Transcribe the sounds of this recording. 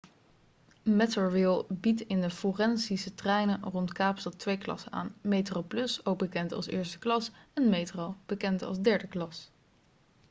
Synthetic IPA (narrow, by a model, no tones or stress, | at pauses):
mɛtoɹɪlˠbitɪndəforɛnsisətrɛjnənrɔntkaːpstɑtʋejklɑ̰səna̰ːnmejtrowplɵsowk̚bəkɛntɑ̰lˠsɪ̰ːɹstə̥klɑsɛnmejtrowb̥əkɛntɑ̰lzdɛɹdəklɑs